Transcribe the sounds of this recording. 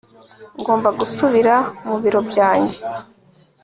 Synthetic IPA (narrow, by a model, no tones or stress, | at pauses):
ŋɡo̞ːmbaɡusuβiɾamuβiɾo̞bɟaːɲɟe̞